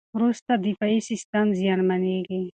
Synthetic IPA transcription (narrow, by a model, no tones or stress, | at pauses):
ɾust̪ad̪ifaisist̪amzijɑnmaneɡi